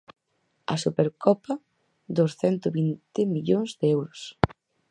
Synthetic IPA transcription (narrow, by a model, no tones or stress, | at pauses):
ɐ̰supeɾkɔpɐ | d̪osθɛnt̪oβint̪ɪmiʎoŋzd̪eɛwɾʊs